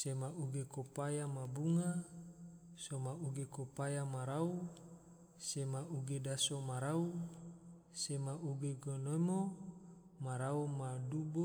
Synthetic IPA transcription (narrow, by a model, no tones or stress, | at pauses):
semaʔuɡekopajamabuŋa | somauɡekopajamaɾau | semaʔuɡedasomaɾau | semaʔuɡeɡonomo | maɾaumadubo